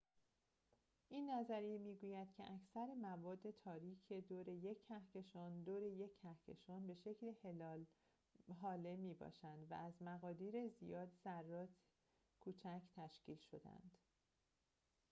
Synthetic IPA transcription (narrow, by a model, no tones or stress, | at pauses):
ʔinːæzæɾijemiːɡuːjæd̪̥cʰe̞̰ʔæcʰsæɾemævɒːd̪ːe̞t̪ʰɒːɾiːcʰe̞d̪oːɾe̞je̞cʰːæhce̞ʃɒːnd̪oːɾe̞je̞cʰːæhce̞̰ʃɒːnbe̞ʃe̞cʰlehelɒːl | ɦɒːle̞miːbɒ̰ːʃænd̪væ̰æzmæɣɒːd̪iːɾe̞zijɒːd̪zærːɒːt̪ʰ | kʰuːt͡ʃʰæcʰt̪ʰæʃciːlʃo̞d̪æ̰nd̪̥